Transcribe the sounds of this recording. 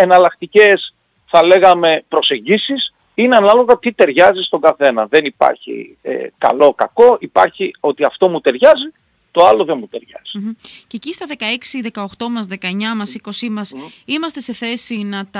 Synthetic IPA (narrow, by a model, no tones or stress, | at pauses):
enɐlɐkt̪ice̞s | θɐle̞ɣɐme̞pɾo̞se̞ɲɟisis | ineɐnɐlo̞ɣɐt̪it̪e̞ɾʝɐzist̪o̞ŋɡɐθe̞nɐðe̞nipɐ̰ɾçḭ | ḛkɐ̰lo̞kɐko̞ʔipɐ̰ɾçio̞t̪iɐft̪o̞mut̪e̞ɾʝɐzi | t̪o̞ɐlo̞ðenmut̪e̞ɾʝɐ̰z̥i̥cecist̪ɐðe̞kɐeksiðe̞kɐoxt̪o̞mɐzðe̞kɐeɲɐmɐsiko̞simɐsimɐst̪e̞se̞θe̞sinɐt̪ɐ